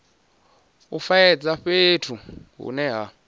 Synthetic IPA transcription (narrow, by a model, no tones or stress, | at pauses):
ufajɛd͡zaɸetʰuɦṵnɛɦa